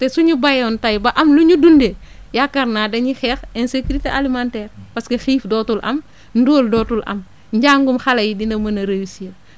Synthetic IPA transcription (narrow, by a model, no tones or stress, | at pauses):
tɛsuɲubɐjɔntɐjbɐʔɐmluɲudundejakːɐɾnaːdɐɲixɛxɛnsekuɾiteʔalimantɛːɾpɐskexiːfdɔːtulʔɐ̰m | ndoːldɔːtulʔɐ̰m | ɲɟaːŋɡumxɐlɐjidindɐmɐnɐɾejisiɐ